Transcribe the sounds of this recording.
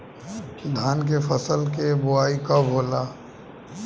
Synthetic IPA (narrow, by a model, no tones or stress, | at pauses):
d̪ʱaːnk̬efəsəlkebʊaːikabʱoːlaː